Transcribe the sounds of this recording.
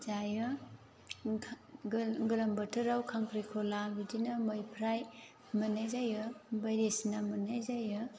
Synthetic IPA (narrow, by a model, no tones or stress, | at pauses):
d͡ʒajɯ | ɡɯlambətʰɯɾawkʰaŋpʰɾikʰolabidinamojpʰɾaj | mɯnajzajɯbajɾesnamɯnajzajɯ